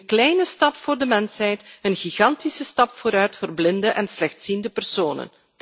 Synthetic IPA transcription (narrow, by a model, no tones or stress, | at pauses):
nklɛjnəstɑpfʊːrdəmɛnsɦɛjtənɣiɣɑntisəstɑpfoːɾœɥtfərblɪndəʔɛnslɛxtsindəpərsoːnə̰n